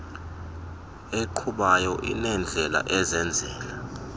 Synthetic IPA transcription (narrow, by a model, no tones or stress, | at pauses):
eǃʰuɓajɔʔḭnɛnd͡ɮʱɛla̰ʔɛzɛnd͡zʱɛːla